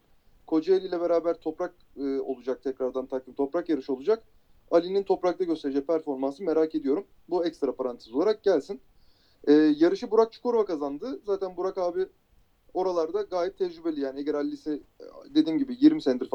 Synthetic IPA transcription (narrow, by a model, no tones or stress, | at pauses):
kʰo̞d͡ʒaelʲijlʲɛbe̞ɾaːbæɾt̪ʰo̞pɾak̚ | ɯo̞̰lˠud͡ʒak̚t̪ʰɛcɾaɾd̪ant̪ʰakʰimt̪ʰo̞pɾakjaɾɯʃɯo̞lˠud͡ʒak | alʲinint̪ʰo̞pɾak̚t̪aɟøst̪e̞ɾeid͡ʒɛc̚pʰæɾfo̞ɾmansɯme̞ɾaːke̞d̪ijo̞ɾum | buɛcst̪ɾapaɾant̪ʰɯsolˠaɾak̚ɟælʲsin | ɛːjaɾɯʃɯbuɾak̚t͡ʃʰu̥kʰoɾvakazand̪ɯzaːt̪ʰænbuɾakaːbi | o̞ɾalˠaɾd̪aɡaːjɛp̚t̪ʰɛd͡ʒɾybe̞lʲijaːnieɟæɾalʲːisid̪e̞d̪iːmɟibijiɾmisɛnd̪iɾf